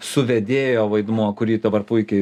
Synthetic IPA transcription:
sʊʋʲɛd̪ʲeːjoːʋɐɪd̪muɔkʊɾʲiːd̪ɐbɐrpʊɪkʲɛɪ

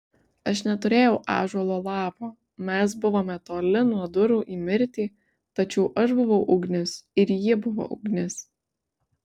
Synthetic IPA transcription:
ɐʃnʲɛt̪ʊɾʲeːjɛʊʔɑ̰ːʒuɔlˠoːlˠɑːpoː | mʲɛs̬bʊʋoːmʲɛt̪oːlʲɪnuɔd̪ʊɾuːʔiːmʲɪɾʲt̪ʲiː | t̪ɐt͡ʃʲɛʊʔɐʃbʊʋɐʊʔʊɡnʲɪsɪɾjibʊʋo̰ːʔʊɡnʲɪs

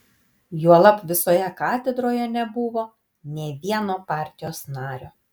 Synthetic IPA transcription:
juɔlˠɐpʋʲɪsoːjɛkɑːt̪ʲɛd̪ɾoːjɛnʲɛbʊʋoː | nʲeːʋʲiɛnoːpɑˑɾʲt̪ʲɪjoːsnɑːɾʲoː

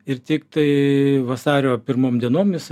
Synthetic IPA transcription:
ɪrt̪ʲɪkt̪ɐɪʋɐsɑːɾʲoːpʲɪɾmoːmd̪ʲiɛnoːmʲɪs

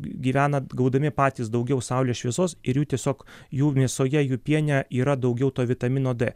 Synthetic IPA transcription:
ɡʲiːʋʲæːnɐɡɐʊd̪ɐmʲɪpɑːt̪ʲiːsd̪ɐʊɡʲɛʊsɑʊlʲeːʃʲʋʲiɛzoːsɪɾjuːt̪ʲiɛsʲoːkjuːmʲeɛsoːjɛjuːpʲiɛnʲæʔiːɾɐd̪ɐʊɡʲɛʊt̪oːʋʲɪt̪ɐmʲɪnoːd̪ɛː

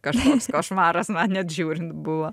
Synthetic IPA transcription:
kɐʃkoːskoːʃmɑːɾɐsmɐnnʲɛt̪ʒʲuːɾʲɪnt̪bʊʋo

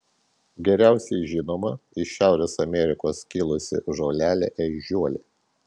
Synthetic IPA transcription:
ɡʲɛɾʲæˑʊsʲɛɪʒʲɪnoːmɐɪʃʲæˑʊɾʲeːsɐmʲɛɾʲɪkoːskʲɪlˠʊsʲɪ̰ʒoːlʲæːlʲɛ̰ʔɛʒʲuɔlʲeː

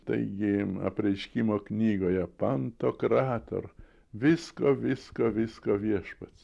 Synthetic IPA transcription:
t̪ɐ̰ɪɡʲɪɐ̰pʲɾʲɛɪʃʲkʲimoːknʲiːɡoːjɛpɐnt̪oːkɾɑːt̪o̰r | ʋʲɪskoːʋʲɪskoːʋʲɪskoːʋʲiɛʃpɐt̪s

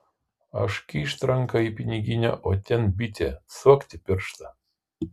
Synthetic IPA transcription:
ɐ̰ʃkʲiːʃt̪ɾɐŋkɐiːpʲɪnʲɪɡʲɪnʲɛ̰ʔoːt̪ʲɛnbʲɪt̪ʲɛsuɔkʲt̪ʲɪpʲɪɾʃt̪ɐ

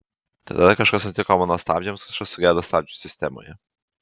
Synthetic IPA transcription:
t̪ɐ̰d̪ɐɐkɐʃkɐsnʊt̪ʲɪkoɔmɐnoːst̪ɑːbʲd͡ʒʲɛmskɐʃkɐssʊɡʲæːd̪ost̪ɑːbʲd͡ʒʲusʲɪsʲt̪ʲɛmo̰ːjɛ

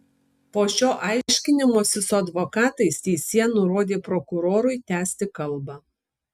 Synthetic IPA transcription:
poːʃʲoːʔɑˑɪʃʲkʲɪnʲɪmoːsʲɪsʊɐd̪ʋɔkɑːt̪ɐɪst̪ʲɛɪsʲiɛnʊɾoːd̪ʲeːpɾɔkʊɾoːɾʊɪt̪ʲæːsʲt̪ʲɪkɐlˠbɑː

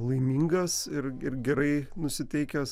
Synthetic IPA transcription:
lˠɐɪmʲiːŋɡɐsɪrɪrɡʲɛɾɐɪnʊsʲɪt̪ʲɛɪkʲɛs

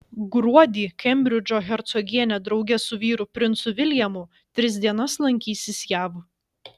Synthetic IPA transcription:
ɡɾuɔd̪ʲiːkʲɛmʲbʲɾʲɪd͡ʒʲoːɣʲɛɾt̪sɔɡʲiɛnʲɛd̪ɾɒʊɡʲɛsʊʋʲiːɾʊpʲɾʲɪnt̪sʊʋʲɪlʲjɛmʊ | t̪ʲɾʲɪsʲd̪ʲiɛnɐslˠɐŋʲkʲiːsʲɪsjæːʋ

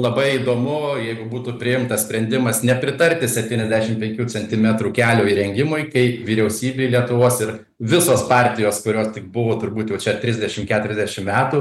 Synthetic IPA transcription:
lˠɐbɐɪiːd̪oːmʊjɛɪɡʊbuːt̪uːpʲɾʲɪjɪmt̪ɐssʲpʲɾʲɛnʲd̪ʲɪmɐsnʲɛpʲɾʲɪt̪ɐɾʲt̪ʲɪsʲɛpʲt̪ʲiːnʲɛzʲd̪ʲæːʃʲɪmpʲɛŋʲkʲuːt͡sʲɛnʲt̪ʲɪmʲɛt̪ɾuːkʲæːlʲoːiːɾʲɛŋʲɡʲɪmʊjkɐɪʋʲiːɾʲɛʊsʲiːbʲeɪlʲiɛt̪ʊʋoːsɪɾ | ʋʲɪsoːspɑːɾʲt̪ʲɪjoːskʊɾʲoːst̪ʲɪk̚bʊʋoːt̪ʊɾbuːt̪jɛʊt͡ʃʲɛt̪ʲɾʲɪzʲd̪ʲɛʃʲɪmkʲæːt̪ʊɾʲɛzʲd̪ʲæʃʲɪmmʲæːt̪uː

